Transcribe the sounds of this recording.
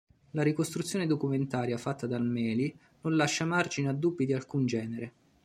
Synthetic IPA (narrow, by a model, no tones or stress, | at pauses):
laɾikost̪ɾut̪sːjoːned̪okument̪aːɾjafat̪ːad̪almɛːli | nonlaʃːamard͡ʒinad̪ːubːid̪ialkund͡ʒɛːneɾe